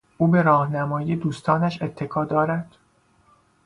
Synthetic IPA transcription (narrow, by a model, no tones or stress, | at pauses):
ʔuːbe̞ɾɒːhnæmɒːjiːed̪uːst̪ʰɒːnæʃe̞t̪ʰːe̞kʰɒːd̪ɒːɾæd̪̥